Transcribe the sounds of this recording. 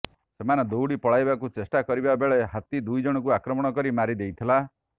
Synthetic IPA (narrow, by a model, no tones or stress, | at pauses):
semanɔd̪owɽipɔɭajbakut͡ʃesʈakɔɾibabeɭeɦat̪id̪ujd͡ʒɔɽ̃ɔk̬uakɾɔmɔɽ̃ɔkɔɾimaɾid̪ejt̪ʰila